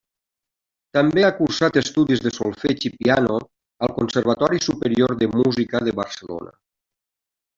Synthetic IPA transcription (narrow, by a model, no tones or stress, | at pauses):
t̪ambeakuɾsat̪əst̪uðizðəsolˠfet͡ʃipiano | əlˠkonsəɾβ̞ət̪ɔɾisupəɾioɾðəmuzikəðəβəɾsəlo̰nə̰